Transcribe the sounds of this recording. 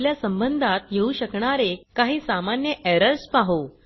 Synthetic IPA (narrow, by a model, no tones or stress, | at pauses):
ljasəmbənd̪ʱat̪jeuɕəkɳaɾekaɦiːsamanjəʔɛɾəɾspaɦo